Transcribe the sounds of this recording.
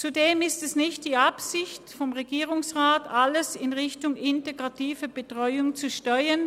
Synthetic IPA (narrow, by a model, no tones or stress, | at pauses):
t͡sudeːmɪstɛsnɪçt̚d̥iːapsɪçtfɔmʁeɡiːʁʊŋsʁaːtaləsɪnʁɪçtʊŋʔɪnteɡʁatiːvəb̥ətʁ̥ɔʏʊŋt͡suʃtœʏən